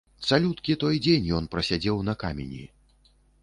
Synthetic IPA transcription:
t̪salʲut̪kʲit̪ɔjd͡zʲenʲjɔnpɾɐsʲad͡zʲɛwnɐkamʲḛnʲḭ

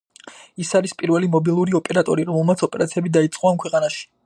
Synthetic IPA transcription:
isaɾispʼiɾvɛlimɔbilˠuɾiɔpʼɛɾat̪ʼɔɾiɾɔmɛlˠmat̪sʰɔpʼɛɾat̪sʰiɛbid̪ait̪sʼqʼɔamkʰwɛqʼanaʃi̥

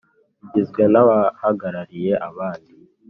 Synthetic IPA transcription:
iɟizɡwe̞nawahaɡaɾaɾije̞ʔaβaːndi

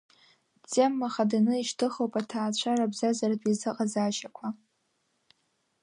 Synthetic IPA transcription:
t͡sʼemːaχadanɨiʃtʰɨχowpʼatʰaːt͡ɕʷʰarabzazardʷʼizɨqʼazaːʃakʷʰa

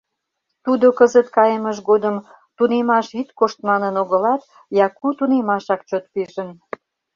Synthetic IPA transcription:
t̪ud̪okəzət̪̚kɑjəməʒɡod̪əm | t̪unemɑʃit̪koʃt̪mɑnənoɣə̆lɑt̪ | jɑkut̪unemɑʃɑkt͡ɕot̪̚piʒə̆n

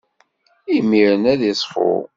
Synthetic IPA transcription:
imiɾənæðisˤfo̰

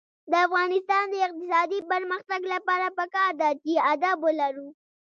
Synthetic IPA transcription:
d̪əafɣɑnɪst̪ɑnd̪əɪq̚t̪ɪsɑd̪ipəɾməxt̪aɡlapɑɾapəkɑɾd̪at͡ʃiad̪abolaɾu

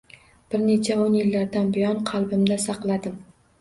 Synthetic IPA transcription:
b̥ɪɾne̞t͡ʃʰaonjɪlːaɾd̪anbɪjɒnqʰɑlˠbɪmd̪asɑqlˠad̪ɪm

